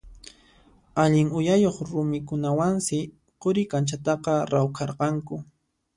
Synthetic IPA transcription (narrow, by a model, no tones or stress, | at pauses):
aʎɪŋʊjajoχɾʊmɪkʊnawansɪ | qoɾɪkant͡ʃat̪ɑqɑɾawkʰɑɾqɑŋkʊ